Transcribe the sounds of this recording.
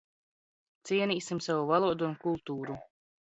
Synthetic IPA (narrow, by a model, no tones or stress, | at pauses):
t̪siɛnʲiːsimsavuvalˠuɔd̪uːnkulˠt̪uːɾu